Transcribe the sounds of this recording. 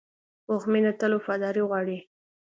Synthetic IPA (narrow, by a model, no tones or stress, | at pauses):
ʊxminat̪əlofɑd̪ɑɾiɣwɑɽi